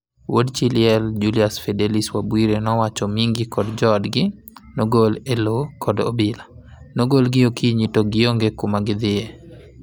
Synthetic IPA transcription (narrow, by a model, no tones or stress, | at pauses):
wodt͡ʃilɪɛld͡ʒuliasfɛdeliswabwiɾenɔwat͡ʃɔmiŋɡɪkɔdd͡ʒɔdɡɪ | noɡolelokʰɔdobɪlanoɡolɡɪokʰiɲitoɡɪoŋɡekumaɡɪd̪ɪɛ